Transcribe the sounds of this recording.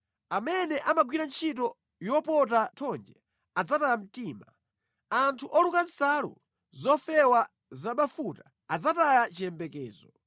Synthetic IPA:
amɛnɛʔamaɡwiɾant͡ʃʰit̬ɔ | jɔpɔtatʰɔnd͡ʒɛ | ad͡zatajam̩tiːma | antʰuʔɔlukansalṵ | zɔfɛwa | zaɓafuta | ad͡zatajat͡ʃiɛmbɛkɛːzɔ

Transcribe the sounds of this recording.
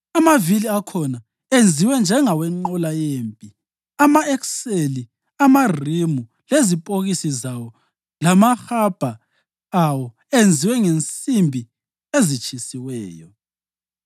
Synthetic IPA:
amaviliakʰɔna | end͡zʱiwɛnd͡ʒʱɛŋawɛŋ͡ǃɔlajeːmpʼi | amaɛkseli | amarimu | lezipʼoɣisizawɔ | lamaxab̥ʱa | awɔ | end͡zʱiwɛŋent͡sʼimbʱi | ezit͡ʃʼisiwɛːjɔ

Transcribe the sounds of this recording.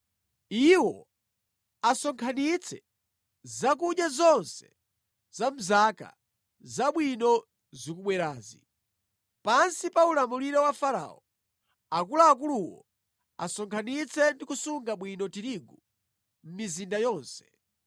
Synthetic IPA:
iwɔ | asɔŋkʰanit͡sʰɛ | zak̬uɗjazɔnsɛ̥ | z̥am̩zaka̰ | zaɓwinɔ | zikuɓwɛɾaːzḭ | pansipaulamuliɾɛwafaɾa̰ɔ | akulaːk̬uluwɔ̰ | asɔŋkʰanit͡sʰɛndikusuŋɡaɓwinɔtiɾiɡu | m̩mizindajɔːnsɛ̥

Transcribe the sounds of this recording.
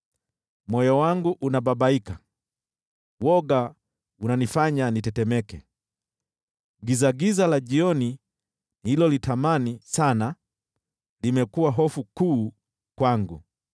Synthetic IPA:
mɔjɔwaŋɡuʔunabaɓaika | wɔɡa | unanifaɲanitɛtɛmɛkɛ | ɡizaɡizalaʄiɔni | hilɔlitamanisana | limɛkuwaɦɔfukuː | kwaŋɡṵ

